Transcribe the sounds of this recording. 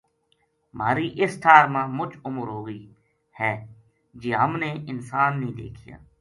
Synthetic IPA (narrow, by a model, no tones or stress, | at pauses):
maːɾiːʔɪsʈ̪ʰaːɾmãːmʊt͡ʃʊməɾɦoːɡiː | hɛː | d͡ʒeːɦəmneːɪnsaːnːĩːd̪ḛːkʰɪja̰ː